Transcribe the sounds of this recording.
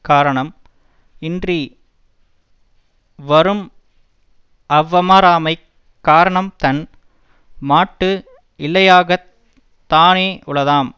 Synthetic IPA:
kaːɾɐɳɐm | ɪndri | ʋɐɾɯm | ɐʋːɐmaɾaːmɐɪ | kːaːɾɐɳɐmt̪ɐn | maːʈːɯ | ɪlːɐjaːɣɐ | t̪ːaːneːʔʊɭɐðaːm

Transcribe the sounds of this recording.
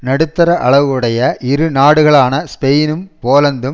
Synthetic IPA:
nɐɽɯt̪ːɐɾɐʔɐ̰ɭɐʋɯɽɐjɐʔɪɾɯnaːɽɯɣɐɭaːnɐspɛjnɯmpoːlɐnd̪ɯm

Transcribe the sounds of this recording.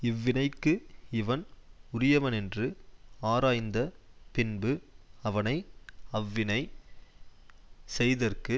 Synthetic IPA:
ɪʋːɪnɐɪkːɯɪʋɐnʊɾɪjɐʋɐnɛndrɯaːɾaːjnd̪ɐpɪnbɯɐʋɐnɐɪɐʋːɪnɐɪ | sɛjðɐrkɯ

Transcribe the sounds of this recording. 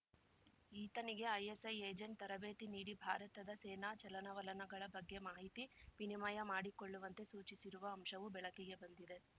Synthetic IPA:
iːt̪ɐniɡe̞ɐjesɐjeːd͡ʒeɳʈ̚t̪ɐɾɐbe̞ːt̪iniːɽibʱa̰ːɾɐt̪ɐd̪ɐseːnaːt͡ʃɐlɐnɐʋɐlɐnɐɡɐɭɐbɐɡːe̞maːɦit̪iʋinimaːjɐmaːɽiko̞ɭːuʋɐnt̪e̞suːt͡ʃisiɾuʋɐːmʃɐʋubɛɭɐkeɡe̞bɐnd̪id̪e̞

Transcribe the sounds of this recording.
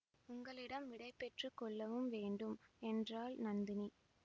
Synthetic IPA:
ʊŋɡɐɭɪɽɐmʋɪɽɐɪpːɛʈrɯkɔɭːɐʋɯmʋeːɳɖɯmɛndraːlnɐnd̪ɪni

